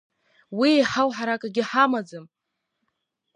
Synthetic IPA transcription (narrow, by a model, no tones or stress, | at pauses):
wiħawħaɾakʼaɡʲɪħamad͡zɨm